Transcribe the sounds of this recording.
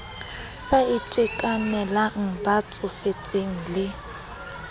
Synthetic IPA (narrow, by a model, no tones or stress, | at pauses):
saɪtʼɪkʼanɛlaŋ̩bat͡sʼʊfet͡sʼeŋ̩lɪ